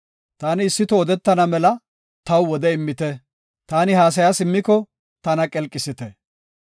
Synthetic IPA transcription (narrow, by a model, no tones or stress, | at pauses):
t̪aːnɪːsːɪt̪ɔːd̪ɛt̪ːɐnɐmɛlɐ | t̪ɐwwɔd̪ɛɪmːɪt̪ɛ | t̪aːnɪɦaːs̬ɐjasɪmːɪkɔ | t̪ɐnɐkʼɛlkʼːɪsɪt̪ɛ